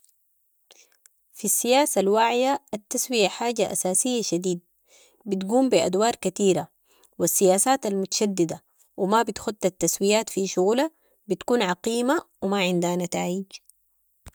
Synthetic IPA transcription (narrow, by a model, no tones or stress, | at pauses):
fisːijaːsalwaʕjaːt̪ːaswijaħaːɟaʔasaːsijːaʃad̪iːd̪̚ | bit̪ɡuːmbiʔa̰d̪wɑːɾˤkat̪iːɾa | wisːijaːsaːt̪almʊt̪ḁʃad̪ːid̪a | wimabit̪xud̪̚t̪at̪ːaswijaːt̪fiʃuɣula | bit̪kuːnʕɑqiːmawimaʕɪnd̪hanat̪aːjiɟ